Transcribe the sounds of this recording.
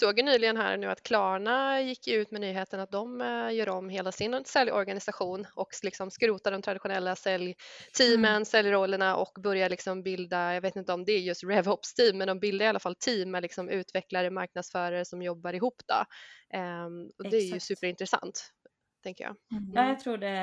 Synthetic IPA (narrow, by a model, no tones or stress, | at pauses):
soːɡ̪ənyːlɪɡənɦæ̰ːɾnʉ̟ːa̰t̪kʰlɑːɳajɪkʰːjʉ̟ːt̪mɛnyːɦeːt̪ənat̪̚d̪ɔmjœːɾɔmːɦeːlasɪnsɛljɔ̰ɾɡanɪsaɧuːnʔɔklɪksɔmskɾʉːt̪ad̪ɔmt̪ʰɾad̪ɪɧʊnɛlːasɛljt̪ʰiːmənsɛljɾɔlːəɳaʔɔ̰kːbœɾjalɪksɔmbɪld̪ajɑveːt̪ɪnt̪əɔmd̪ɛæjɵst̪ɾɛvhɔpst̪ʰiːmːɛnd̪ɔmbɪld̪aɾɪalːafalt̪ʰiːmːɛlɪksɔmʉ̟ːt̪vɛklaɾəmaɾk̚nad̪sfœːɾaɾəsɔmjɔbːaɾɪɦuːpːd̪̥ɔ̰ | ɔd̪ɛːɾjɵsʉ̟ːpəɾɪnt̪ɾɛsa̰nt̪ | t̪ʰːɛŋkəjɑ̰ːjɑt̪ʰɾuːɖɛ